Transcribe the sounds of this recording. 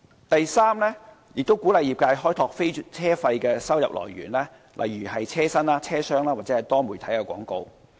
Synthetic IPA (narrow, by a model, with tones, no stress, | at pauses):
t̪ɐ˨jsaː˥mlɛː˥ | jɪ˨k̚t̪o˥wkuː˨˥lɐ˨jiː˨p̚kaː˧jɦɔː˥jt̪ʰɔː˨k̚fe˥jt͡sʰɛː˥fɐ˧jkɛː˧sɐ˥wjɐ˨p̚lɔ̰ː˨˩jɥy̰ː˨˩nlɛː˥ | lʔɐ̰˨jɥyː˨˩hɐ˨jt͡sʰɛː˥sɐ˥naː˧˥t͡sʰɛː˥sœː˥ŋlaː˥waː˨˩t͡sɛː˨˥hɐ˨˩jt̪ɔː˥muː˨˩jt̪ʰɐ˨˥jkɛ˧kʷɔ̰ː˨˥ŋko˧w